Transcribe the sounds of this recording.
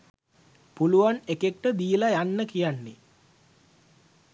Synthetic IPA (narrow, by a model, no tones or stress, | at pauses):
puluʋanekek̚ʈəd̪ijəlajanːəkijanːḛ